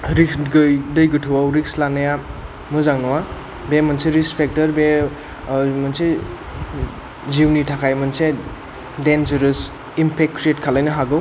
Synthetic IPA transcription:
ɾiksɡɯjdɯjɡɯtʰɯwawɾik̚slanaja | mɯzaŋnɔwa | bemanseɾispʰek̚tɐɾbe | mɐnse | ziwnitʰakʰajmɐnse | dend͡ʒɐɾɯs | impʰek̚kɾietkʰalajnɯɦaɡɯw

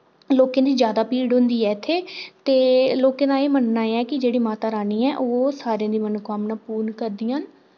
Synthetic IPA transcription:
loːkẽːd̪iːd͡ʒjaːd̪aːpiːɖɦʊ̃nd̪iːɛːt̪ʰeːt̪eːloːkẽːd̪aːeːmənnaːeɛːkɪd͡ʒeːɽiːmaːt̪aːɾaːniːɛːʔoːsaːɾeãːd̪iːmənukaːmnaːpuːɾnkəɾd̪ɪjãːn

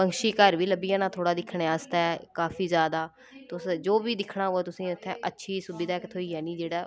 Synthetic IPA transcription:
pəŋʃiːkəɾʋiːləbijãːnãːt̪ʰoːɽaːd̪ɪkʰːɽẽːaːst̪aːɛkaːfʰiːzjaːd̪aː | t̪ʊsd͡ʒoːbiːd̪ɪkʰɳaːoːɛːt̪ʊsĩːʊt̪ʰːɛ̃ːʔətːʃʰiːsʊbɪd̪aːkt̪ʰoːiːɛːnĩːd͡ʒeːɽaː

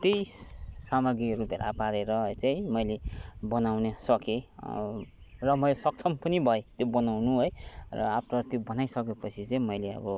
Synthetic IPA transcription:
t̪ejssamʌɡirupjeɾa̰paɾeɾʌɦjt͡saĩmʌjlebʌnawnesʌke | rʌmʌjlesʌk̚t͡sʰʌmpʌnibʱʌet̪jobʌnawnuɦojrʌ̰apʰrʌt̪jobʌnajsʌkepʌt͡sʰit͡saĩmʌjleʌ̰bʌ

